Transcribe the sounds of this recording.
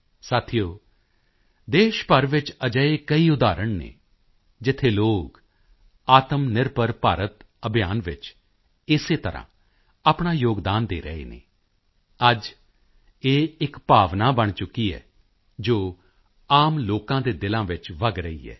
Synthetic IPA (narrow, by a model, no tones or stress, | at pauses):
saːt̪ʰijoː | d̪eːʃpəɾʋɪt͡ʃəd͡ʒəeːkəiːʊd̪aːɾəɳnḛː | d͡ʒɪt̪ʰeːloːk | aːt̪əmnɪɾpəɾpaːɾət̪ | əbʱɪjaːnʋɪt͡ʃ | ɪseːt̪əɾʔã̰ː | aːpɳaːjoːɡd̪aːnd̪ḛːɾə̰ḛːnḛː | əd͡ʒ | eːɪkpaːʋnaːbəɳ̃t͡ʃʊkːiːɛ̰ː | d͡ʒoː | aːmloːkãːd̪eːd̪ɪlãːʋɪt͡ʃʋəɡɾəḭːɛ̰ː